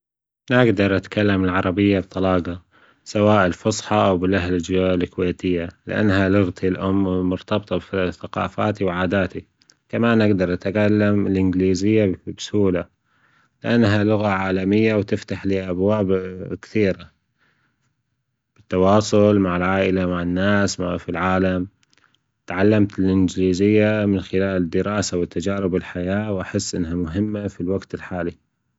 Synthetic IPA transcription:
nɪɡd̪ɑɾˤʔat̪kalːamɪlʕɑɾˤɑbɪjːab̚t̪ˤɑlɑːɡɑ | sawaːʔɪlfɑsˤħɑʔawbɪlʔaɦlɪd͡ʒaɪkweːt̪ɪjːalɪ̰ʔa̰nːhalʊɣt̪ʰilʔʊmːmʊɾt̪ɑbt̪ˤɑfθaqɑ̰ːfaːt̪iwʕaːd̪aːt̪i | kamaːnʔɪɡd̪ɑɾˤʔat̪kalːamɪlʔɪnɡliːzɪjːabshuːla | lɪʔanːɦalʊɣaʕaːlamɪjːawt̪ɪft̪aħliːʔabwaːbkθiːɾa | b̥ɪt̪ːɑwɑːsˤʊlmaʕɪlʕaːʔɪlamaʕɪnːaːsmafilʕaːlam | t̪ʕalːamt̪ɪlʔɪnd͡ʒɪliːzɪjːamɪnxɪlaːlɪd̪ːɪɾɑːsawɪt̪ːad͡ʒaːɾɪbɪlħajaːwʔaħɪsːʔɪ̰nːɦamʊɦɪmːafilwaɡt̪ɪlħaːli

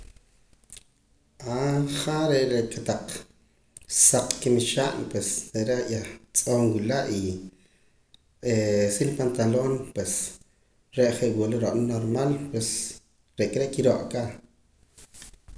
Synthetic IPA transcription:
aχaɾeʔɾeʔkat̪aq͡χ | saq͡χkimiʃaːʔnpwest̪eɾejat͡sʼoːŋwilaʔi | esilpant̪aloːnpwes | ɾeʔχeʔwuʔloɾoʔʼnnoɾmalpwes | ɾeʔkʼɾeʔkiɾoʔka

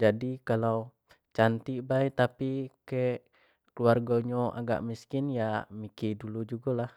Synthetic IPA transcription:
d͡ʒadikalaw | t͡ʃant̪ibajt̪apikeʔ | kluarɡoɲoʔa̰ɡa̰ʔmiskɪnjamikidulud͡ʒuɡɔlah

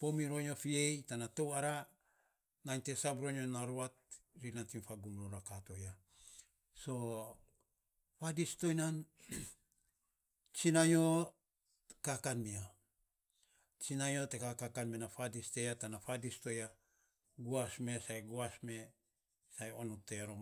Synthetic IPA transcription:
po̞miɾo̞ɲo̞fie̞jtanato̞waɾa | najnte̞sabɾo̞ɲonaɾuat̚ | ɾinantimfaɡumɾoɾakato̞ja | so̞ | fadisto̞jnan | t͡ʃinajo̞ | kakanmia | t͡ʃinajo̞tekakakanmenafadiste̞jatanafadisto̞ja | ɡuasme̞sajɡuasme̞ | sajo̞nute̞ɾo

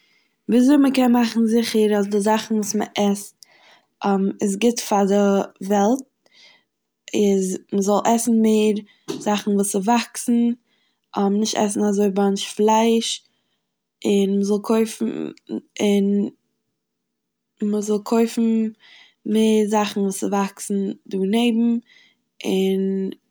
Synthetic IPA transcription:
viːzoɪməkɛnmaχn̩zɪχəɾasdɪzaχn̩vuːsməʔɛst | ʔɛmɪs̬ɡɪtfadɪvɛlˠt̚ | ɪzməzɔlˠʔɛsn̩meːɾ | z̥aχn̩vuːsɪvaksn̩ | ʔɔmnɪʃtɛ̰s̬n̩azoɪbanʃflˠaɪʃ | ɪnməzɔlˠkʰoɪfn̩ɪn | məzɔlˠkʰoɪfn̩ | meːɾzaχn̩vuːsɪvaksn̩duːneɪbm̩ | ʔɪn

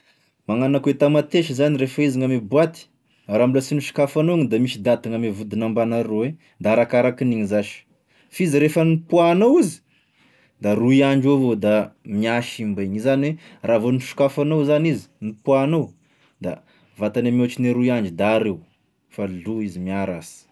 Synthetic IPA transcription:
maŋanaket̪amat̪eʃizaniɾefaiziŋamebuat̪i̥ | ɾamulasiniʃu̥kafanoɲid̪amiʃid̪at̪iŋamevud̪inambanaɾowe | d̪aɾakaɾakiniɲizaʃi̥ | fiziɾefənipuanowizi̥ | d̪aruiaɳd͡ʒovod̪amiaʃimbeɲizaniweravoniʃi̥kafanowzanizi̥nipuanow | d̪̥a̰ | vat̪anamot͡ʃineɾuiaɳd͡ʒid̪aːɾew | faluizimiaɾa̰si̥

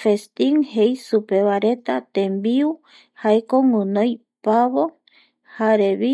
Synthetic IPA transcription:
fest̪iŋhejsupeβaɾet̪at̪ẽmbiu | haekoŋunõj | paβo | haɾeβi

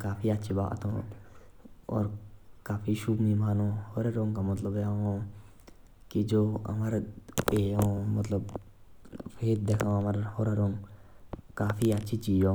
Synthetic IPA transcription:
kaːpʰiətːʃʰiba̰ːt̪ɦõ | ɔ̰ːɾkaːpʰiʃubmimʱaːnohoɾeɾõːŋkamət̪ləbeaɦõ | kid͡ʒoːɐ̰maɾeːjõmət̪ləb | pʰeːt̪̚d̪ekʰãɐmaɾhoɾaɾoŋ | kaːpʰiətːʃʰit͡ʃiːd͡ʒõ

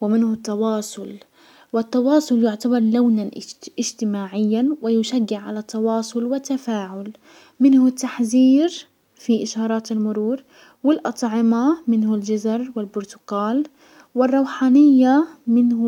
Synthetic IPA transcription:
wɪmɪnhʊt̪ːɑwɑːsˤʊl | wɪt̪ːɑwɑːsˤʊljʊʕt̪abɑɾˤlawnanʔɪʒt̪ɪmaːʕɪjːanwɪjʊʃaɡːɪʕʕa̰lat̪ːɑwɑːsˤʊlwɪt̪ːafaːʕʊl | mɪnhʊt̪ːaħziːɾ | fiʔɪʃɑːɾˤɑːt̪ɪlmʊɾuːɾ | wɪlʔɑt̪ˤʕɪmamɪnhʊld͡ʒazɾˤwɪlbʊɾt̪ʊ̥ɡɑːl | wɪrˤːɑwħaːnɪjːamɪnh

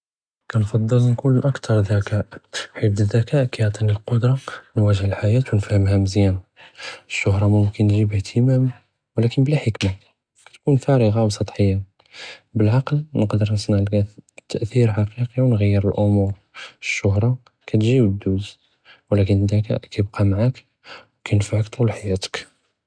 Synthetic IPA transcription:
kænfɑd̪ˤːəlnkunʔækt̪ʰɑɾˤðækæʔħit̪ðːækæʔkæjʕt̪ˤinəlqod̪ɾˤɑnwæʒəhəlħajæt̪wnfæhəmhæməzjæn | əʃːʊhɾˤɑmʊmkənːʒibəht̪ʰəmæm | wlækənblæħəkma | kæ̥t̪kunfæɾəɣɑwsˤɑt̪ˤħəjːa | bəlʕɑqəlnəqd̪əɾnəsˤnɑʕlkæt̪ʰːəʔθiɾħɑqiqiwnɣəjːəɾəlʔʊmuɾ | əʃːʊhɾˤɑ | kæt̪ʒiwəd̪ːuz | wlækənd̪ækæ̰kæjəb̚qɑmaʕak | wkæjnfaʕəkt̪ˤulħajæt̪ə̥k

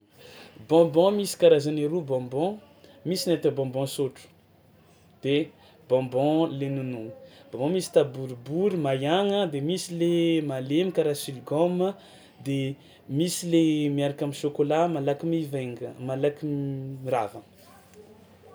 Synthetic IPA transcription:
bɔ̃bɔ̃misi̥kaɾazaneɾubɔ̃bɔ̃ | misinat̪əbɔ̃bɔ̃soʈ͡ʂu̥ | d̪̥e | bɔ̃bɔ̃lenununi̥b̥ɔ̃bɔ̃misi̥t̪abuɾibuɾimajaŋəd̪emisilemalemikaɾasiliɡɔmə | d̪e | misilemiaɾakamiʃokolamalakimiveŋmalakiiɾavə

